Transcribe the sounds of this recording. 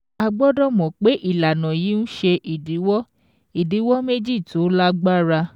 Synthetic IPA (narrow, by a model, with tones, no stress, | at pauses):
a˧ɡ͡bɔ˦dɔ˦˨mɔ̃˨k͡pe˨˦ʔi˦˨la˨nɔ̃˨ji˨˦nũ˦ʃe˧ʔi˨di˨˦wɔ˦ | i˨di˨˦wɔ˦me˦d͡ʒi˦˨to˨˦la˦ɡ͡ba˦ɾa˧